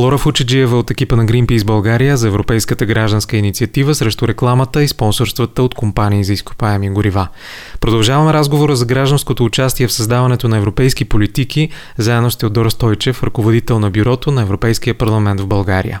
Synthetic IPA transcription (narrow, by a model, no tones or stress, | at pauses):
lˠɔɾɐfut͡ʃɛd͡ʒiɛvəot̪ɛk̟ipənɐɡɾimpizbɐlˠɡaɾijəzɐɛvɾopɛjskət̪əɡɾaʒd̪ənskəinit̪siɐt̪ivəsɾɛʃt̪ʊɾɛklˠamət̪əispɔnsoɾst̪vət̪əot̪kompaniːzɐisko̥paɛmiɡʊɾiva | pɾod̪ɐlˠʒavɐmɛɾazɡovoɾəzɐɡɾaʒd̪ɐnskot̪oːt͡ʃast̪iɛfsɐzd̪avɐnɛt̪onɐɛvɾopɛjskipolit̪ikʰi | zaɛnost̪iod̪d̪ɔɾst̪ɔjt͡ʃɛfɾɐkovod̪it̪ɛlˠnɐbyɾɔt̪onɐɛvɾopɛjsk̟ijəpɐɾlˠɐmɛnt̪vbɐlˠɡaɾḭjə̰